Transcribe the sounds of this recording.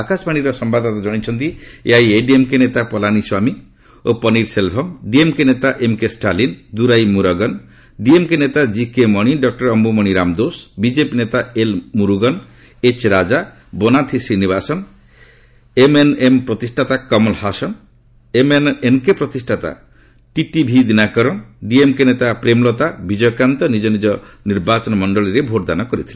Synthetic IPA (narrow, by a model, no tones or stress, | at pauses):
akasbaɽ̃iɾɔsɔmbad̪ʱat̪ad͡ʒɔɽ̃it͡ʃʰɔnt̪iḛajeɖiemkenet̪apɔlaniswami | opɔniɖselbʰʱɔmɖiemkenet̪aʔemkesʈalind̪uɾajmuɾɔɡɔn | ɖiemkenet̪ad͡ʒikemɔɽ̃iɖɔk̚ʈɔɾɔmbumɔɽ̃iɾamd̪osbid͡ʒepinet̪aelmuɾuɡɔn | et͡ʃɾad͡ʒa | bonat̪ʰisɾinibasɔn | emenempɾɔt̪isʈʰat̪akɔmɔlhasɔn | emenemkepɾɔt̪isʈʰat̪a̰ | ʈiʈibʱid̪inakɔɾɔnɖiemkenet̪apɾemlɔt̪abid͡ʒɔjɔkɾant̪ɔnid͡ʒɔnid͡ʒɔniɾbat͡ʃɔnmɔɳɖɔliɾebʱoʈd̪anɔkɔɾit̪ʰile